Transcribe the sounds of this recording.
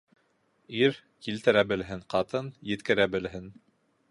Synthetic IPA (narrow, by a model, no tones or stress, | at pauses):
iɾ | kilt̪ɘ̆ɾæbɘ̆lɦɘŋqɑt̪ɤnjɘ̆t̪kɘ̆ɾæbɘ̆lɦɘn